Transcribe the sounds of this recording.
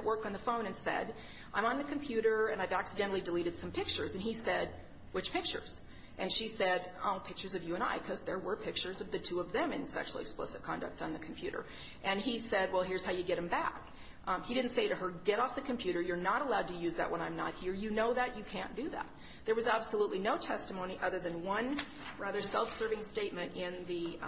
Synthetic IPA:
ʔwɜ˞k̚tn̩ðəfõʊ̃ñɨ̃nsɛ̰ɾ | ʔãɪ̃mə̃nðɨkʰmpʰj̥ʉɾə˞ɨ̃naɪvæksɨdɛ̃ɾl̩ˠidɨliɾɨd̥sʌ̃mpʰɪk̚t͡ʃə˞zɨ̃nisɛd̚ | wɨt͡ʃpʰɪk̚t͡ʃə̰˞z̥ | ʔɨ̃nʃisɛɾõ̰pʰɪk̚t͡ʃə˞zʌvjɨə̃ña̰ɪkʰʌzðə˞wə˞pʰɪk̚t͡ʃə˞zʌvðɨtʰʉʌvðɨ̃mɨ̃nsɛ̰kʃl̩ˠɨ̰ksplɪ̰sɨv̥kʰɑ̰̃ndɨ̰k̚tn̩ðɨkʰm̩pʰj̥ʉɾə̰˞ | ʔɨ̃nisɛd̚wɛlˠɦɪɹz̥haʊjɨɡɛɾ̚ɨ̃mbæk | hiɾɪdⁿn̩tseɪɾɨə˞ɡɛɾɔfðɨkʰɨ̃m̩pʰj̥ʉɾə˞jə˞nəɾəlaʊd̚tʰɨjʉzðɨ̰ʔwʔə̃ɾ̃nãɪ̃mnə̰t̚hiɹjɨnoʊðɨt͡ʃɨkʰæ̃nd̥ɨðæ̰t̪̚ | ðə˞wʌzæb̥səlutˡlinoʊtʰɛstəmõʊ̃niʔʌðə˞ðɨ̃nwʌ̃n | ɹæðə˞sɛlˠfsɜ˞vɪ̃ŋsteɪt̚mɨ̃ntɪ̃nðɨ

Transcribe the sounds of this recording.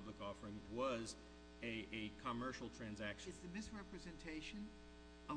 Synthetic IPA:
blɨkɔfə˞ɪ̃ŋwʌz | ɨʔɨkʰəmɜ˞ʃl̩ˠtʰɹ̥æ̃nzækʃɨzðɨmɪsɹɛpɹɨzɨ̃ntʰeɪʃɨ̃n | ə

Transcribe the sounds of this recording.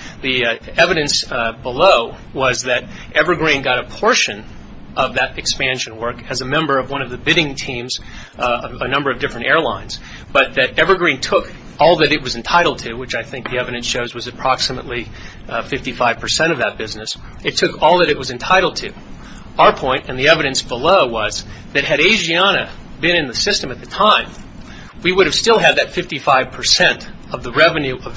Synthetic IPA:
ðiɛvɨɾɨ̃nsbəloʊ | wʌzðɨɾ | ʔɛvə˞ɡɹĩnɡɑɾəpʰɔɹʃɨ̃n | ʔʌvðɨɾɨkspæ̃nʃɨ̃n̩wɜ˞kɨzɨmɛ̃mbə˞ʌvwʌ̃ñʌvðɨbɪɾɪ̃ŋtʰĩmz | ənʌ̃mbə˞ʌvdɪfɹɨ̃ñtɛɹlãɪ̃nz̥ | b̥ʌt̪̚ðɨɾɛvə˞ɡɹĩntʰʊk | ɔlˠðɨɾɨt̚wʌzɨ̃n̩tʰaɪɾl̩ˠd̚tʰɨwɨt͡ʃaɪθɪ̃ŋk̚ðiɛvɨɾɨ̃nsʃoʊzwʌzɨpʰɹ̥ɑksɨmə̰ʔˡli | fɪftifaɪv̥pʰə˞sɛ̃ɾ̃ʌvðɨt̚b̥ɪznɨsɨtʰʊkɔlˠðɨɾɨt̚wʌzɨ̃ntʰaɪɾl̩ˠd̚tʰɨ | aʊə˞pʰɔ̃ɪ̃ntɨ̃nðiɛvɨɾɨ̃nsb̥əloʊwʌzðɨt̚ɦɨɾeɪʒiɑnɨ | bɨ̃ɾ̃ɨ̃nðɨsɪstɨ̃mɨt̪̚ðɨtʰãɪ̃m | wiwʊɾɨv̥stɪlˠɨd̪̚ðɨtfɪftifaɪv̥pʰə˞sɛ̃nt | ʌvðəɹɛvɨ̃nʉʔʌv

